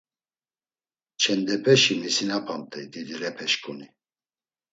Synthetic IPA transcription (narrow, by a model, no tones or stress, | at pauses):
t͡ʃʰɛnd̪ɛpʰʼɛʃimisinapʰant̪ʰʼɛjd̪id̪iɾɛpʰɛʃkʼuni